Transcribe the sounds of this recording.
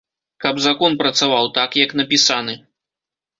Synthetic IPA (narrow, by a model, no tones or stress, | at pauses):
kɐbzakɔnpɾɐt̪savawt̪akjɐkn̪ɐpʲisanɨ